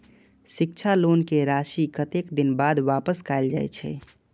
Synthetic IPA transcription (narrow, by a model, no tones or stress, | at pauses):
ʃɪk̚t͡ʃʰalonkeɾaʃikət̪ekd̪ɪnbad̪ʋaːpəskajld͡ʒa̰jt͡ʃʰɛ̰